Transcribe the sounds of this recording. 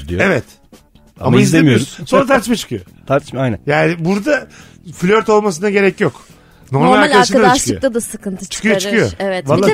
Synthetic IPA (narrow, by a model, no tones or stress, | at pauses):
ijevɛt̪ | a̰maizlemijoɾssonɾat̪ʰaɾt̪ʰiʃ̬mat͡ʃʰɯ̥kʰɯjo̰t̪ʰaɾt̪ʰɯ̥ʃmajnɛ̰jaːnɪbuɾd̪a | flʲøɾt̪ʰo̞lˠmas̬ɯnaɟe̞ɾɛcjo̞k | no̞ɾmaalʲaɾʲad̪aɾʃɯadaaʃt͡ʃʃɯlkˠɯjot̪ad̪asɯkɯnt̪ʰɯ̥t͡ʃʰɯ̥kʰɯjoɾt͡ʃɯ̥kʰɯjoɛvɛvalːˠa